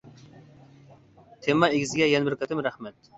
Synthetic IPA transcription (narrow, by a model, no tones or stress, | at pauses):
t̪ʰemɑeɡʲɪzɡʲɛjɛnbɪɾkɑt̪ɪmɾæhmɛt̪